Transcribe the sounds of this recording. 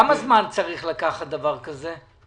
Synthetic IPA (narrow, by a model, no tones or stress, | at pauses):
amazmant͡saʁiχlakaχat̪̚d̪avaʁkaze